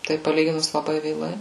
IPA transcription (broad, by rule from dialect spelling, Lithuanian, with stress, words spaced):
tɐɪ pɐˈlʲiːɡʲɪnʊs lˠɐˈbɐɪ ʋʲeːˈlˠɐɪ